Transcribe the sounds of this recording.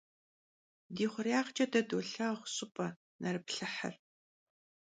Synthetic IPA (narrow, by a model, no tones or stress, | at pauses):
diːχʷʊrjaːχt͡ʃʼɐdɐduɬɐχʷʊɕʼɪpʼɐ | nɐɾɨpɬɨħɐ̰r